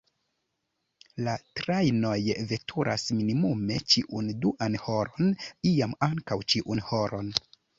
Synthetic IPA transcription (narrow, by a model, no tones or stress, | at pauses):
latɾajno̞jve̞tʰuɾʔa̰sminimume̞t͡ʃiʔunduʔanho̞ɾo̞niamaŋkawt͡ʃiʔunhoɾo̞n